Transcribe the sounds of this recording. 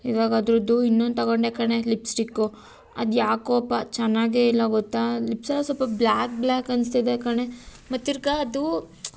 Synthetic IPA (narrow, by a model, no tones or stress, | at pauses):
hiːɡaːɡɐːd̪ɾɐd̪uinːond̪̚t̪ɐɡoɳɖekaɳe̞lipsʈikːu | ɐ̰d̪jaːkoɐpːat͡ʃɛnːaːɡeilːɐɡɔt̪ːalipsɐlɐsɔlpɐblaːk̚blaːkɐnst̪id̪ekaɳe̞ | mɐt̪ːiɾɡaɐd̪u